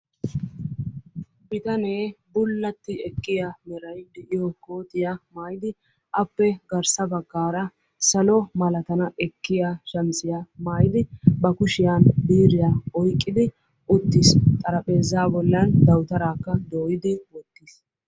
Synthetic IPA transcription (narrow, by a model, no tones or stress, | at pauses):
bɪt̪ɐneːbʊlːɐt̪ːɪɛkːɪjamɛɾɐjd̪ɛʔɪjɔkoːt̪ʼɪjamaːjɪd̪ɪ | ʔɐpːɛɡɐɾsɐbɐɡːaːɾɐ | sɐlɔmɐlɐt̪ɐnɐʔɛkːɪjaʃɐmsɪjamaːjɪd̪ɪbɐkʊʃɪjaːnbiːɾɪjaɔjkʼːɪd̪ɪ | ʔʊt̪ːɪst̪ʼɐɾɐpʼe̞ːzːaːbɔlːɐnd̪ɐwt̪ɐɾaːkːɐd̪oːjɪd̪ɪwɔt̪ːis